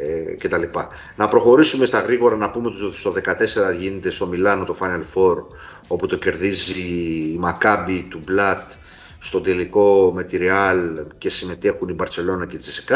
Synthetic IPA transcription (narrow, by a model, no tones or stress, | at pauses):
ce̞t̪ɐlipɐ | nɐpɾo̞xo̞ɾisume̞st̪ɐɣɾiɣo̞ɾɐnɐpumet̪t̪ot̪i̥st̪oðe̞kɐt̪e̞se̞ɾɐʝinet̪e̞st̪o̞milɐno̞t̪o̞fɐnelfo̞ɾ | o̞put̪o̞ce̞ɾðiziːmɐkɐbit̪ublɐt̪ | st̪o̞t̪d̪e̞liko̞met̪iɾiɐlce̞sime̞t̪e̞xunibɐɾse̞lo̞nɐcet͡sisekɐ